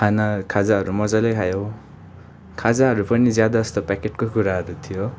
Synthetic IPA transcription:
anakʰad͡zaɦʌɾumʌd͡zalekʰajo | kʰad͡zaɦʌɾupʌnid͡zjad̪aːst̪opakeʈ̚kokuɾaɦʌɾut̪ʰijo

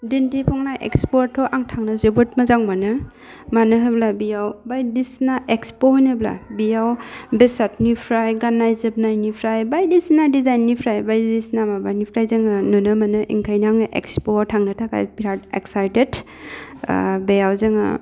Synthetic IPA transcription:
dindipʰɔŋnaʔḛkspoɾtʰːɔʔaŋtʰaŋnazebot̚mazaŋmanɯ | manɯɦɯblabijawbajdisnaʔekspohojnɯbla̰bijawbesatnipʰɾajɡanːajzeb̚najnipʰɾajbajdisnadizajnːipʰɾajbajddisnamabanipʰɾajzɯŋanunɯmanɯʔḭŋkʰajnaaŋʔḛkspotʰaŋnɯtʰaka̰jpiɾateksajtet | bejawzeŋa̰

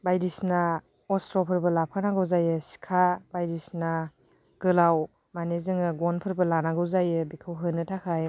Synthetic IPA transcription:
bajɾisna | ɔstɾɔpʰɯɾbɐlap̚ʰanaɡɯwzajɯsi̥kʰabajɾisna | ɡ̥ɯlaw | manezɯŋɯɡɔnpʰɯɾbɐlanaɡɯwzajɯbikʰɯwɦɯnɯtʰakʰaj

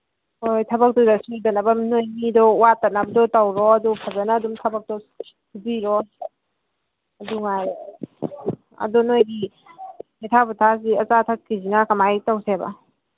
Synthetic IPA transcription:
ojtʰɐbɐk̚tɔdasudɐnabamnojmidɔwatanabadɔtawɾɔɐdupʰazanaːdumtʰɐbɐk̚tɔ | hubiɾɔ | ɐduŋaj | ɐ̰dɔnojdi | itʰabutʰas̬iɐt͡ʃatʰakːizinakamajtawseba̰

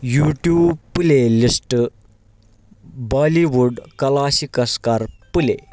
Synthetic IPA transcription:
juːʈjuːbpulelisʈ | baliʋuɖkɐlaɕikəskaɾpulḛ

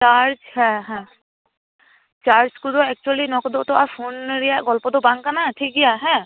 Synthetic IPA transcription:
t͡ʃaːɾd͡ʒhɛɦɛ̃ | t͡ʃaːɾd͡ʒkud̪oɛk̚t͡ʃuəlinɔkd̪ot̪oapʰoːnɾijaɡɔlpod̪obãŋɡkanaʈʰik̚ɡɪaɦɛ̃

